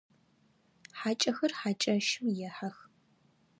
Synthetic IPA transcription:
ħaːt͡ʃʼɐxɐrħat͡ʃʼɐʃuwjɛħax

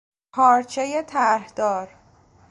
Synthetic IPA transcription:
pʰɒːɾt͡ʃʰejet̪ʰæɾhd̪̥ɒːɾ

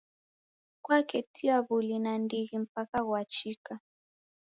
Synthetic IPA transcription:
kwakɛtʰiaβulinandiɣim̩pakaɣwat͡ʃika

